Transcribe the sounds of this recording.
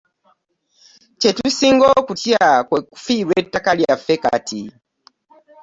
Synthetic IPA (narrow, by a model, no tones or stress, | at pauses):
t͡ʃetusiŋɡɔkutiakweku̥fiɾwetːakaliafeka̰tʰi